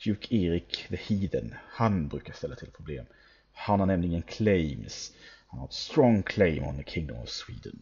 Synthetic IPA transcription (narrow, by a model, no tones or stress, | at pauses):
d̥̪jʉːkʰeːɾɪkðəhiːd̪ənhanbɾʉ̟ːkast̪ɛlːat̪ʰɪlpʰɾʊbleːm | hanhaɳɛmlɪɡənkʰlejmshanhat̪st̪ɾɔŋkʰleɪmɔ̰nðəkʰɪŋd̪ɔ̰mɔ̰v̥swḭːd̪ə̰n